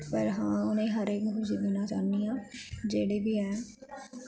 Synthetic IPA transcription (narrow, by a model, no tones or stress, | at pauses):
pəɾɦãːʊnẽːɦəɾeːkɦʊsiːd̪iːnaːt͡ʃaːniːãːd͡ʒeːɽeːbiːɛː